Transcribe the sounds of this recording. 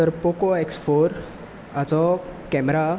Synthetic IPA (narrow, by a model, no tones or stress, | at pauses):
t̪əɾpokoeksfoɾ | at͡sɔkɛmɾa